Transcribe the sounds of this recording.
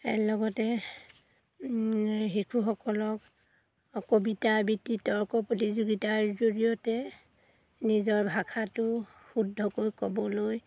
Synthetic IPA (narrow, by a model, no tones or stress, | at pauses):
ɛ̰lɔɡɔtɛ | ɦikʰuxɔkɔlɔk | kobitabitːitɔɹkɔpɹotizuɡitaɹzoɹijɔtɛ | nizɔɹbʱakʰatʊ | xudʱːɔkojkɔbɔloj